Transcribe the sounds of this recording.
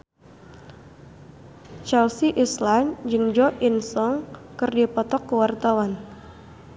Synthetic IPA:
t͡ʃɛlsiʔisland͡ʒɨŋd͡ʒɔʔinsɔŋkɨrdipɔt̪ɔkːəwart̪awan

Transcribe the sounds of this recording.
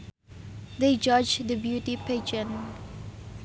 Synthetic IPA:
d̪ed͡ʒɔd͡ʒdəbjutipʰed͡ʒə̃n

